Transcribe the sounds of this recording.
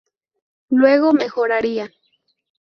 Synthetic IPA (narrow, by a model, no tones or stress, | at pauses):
lweɣomexoɾaɾia